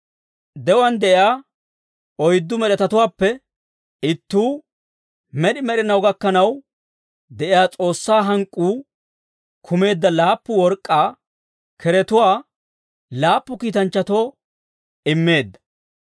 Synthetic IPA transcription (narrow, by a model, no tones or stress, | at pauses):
d̪ɛwɐnd̪ɛʔɪjaː | ɔjd̪ːʊmɛɗɛt̪ɐt̪ʊwaːpːɛ | ɪt̪ːuː | mɛɗɪmɛɗɪnɐwɡɐkːɐnɐw | d̪ɛʔɪjaːt͡sʼo̞ːsːaːɦɐŋkʼːuː | kʰʊme̞ːd̪ːɐlaːpːʊwɔɾkʼːaː | kʰɛɾɛt̪ʊwaː | laːpːʊkiːt̪ɐnt͡ʃːɐt̪o̞ː | ɪmːe̞ːd̪ːɐ̥